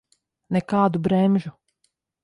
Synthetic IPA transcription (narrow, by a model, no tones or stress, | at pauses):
nɛkaːd̪ubɾɛmʲʒu